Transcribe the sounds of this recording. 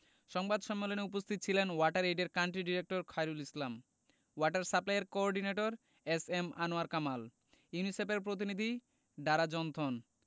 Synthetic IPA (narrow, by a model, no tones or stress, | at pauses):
ʃɔŋbad̪ʃɔmːeloneupost̪ʰit̪̚ːt͡ɕʰilenwaʈaɾejɖeɾkaɳʈɾiɖiɾek̚ʈoɾkʰajɾulislam | waʈaɾsaplaeɾkoɔɾɖineʈoɾ | esemanoaɾkamal | junisep̬eɾpɾot̪̬inid̪ʱi | ɖaɾad͡ʑɔnt̪ʰon